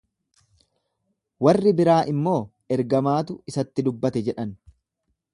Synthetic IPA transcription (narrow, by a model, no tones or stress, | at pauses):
wɐrːɪbɪɾaːʔɪmːo̞ː | ɛɾɡɐmaːt̪ʊɪsɐt̪ːɪd̪ʊbːɐt̪ɛd͡ʒɛᶑɐn